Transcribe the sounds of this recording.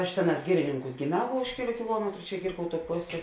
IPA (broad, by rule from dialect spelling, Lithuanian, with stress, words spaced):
ɐʃ ˈtʲeːˌnɑːs ˈɡʲɪrʲɪnʲɪŋˌkuːs ɡʲeːˈmʲɛʊ ʋoː ˈʊʃ kʲɛˌlʲuː kʲɪˈlˠuɔmʲɛtrʊ t͡ʃʲɛ ˈɡʲɪrkɐʊˌtuː ˈpoːsʲeː